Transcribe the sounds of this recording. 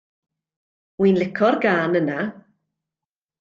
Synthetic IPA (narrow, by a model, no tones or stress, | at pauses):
wiːnlɪkʰɔrɡaːnəna